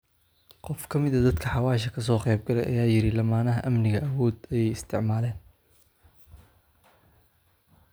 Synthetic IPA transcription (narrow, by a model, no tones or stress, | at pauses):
qɔfkʰɐmɪðɐd̪ɐd̪kʰɐħɑwaːʃɐkʰɐs̬ɔːqɛːb̚ɡɐlɛ̰jʔɐ̰jaːjɪɾɪlɐmaːnɐɦɐʔɐmnɪɣɐʔɐwɔːd̪ɐjɛjɪst̪ʰɪʕmaːlɛːn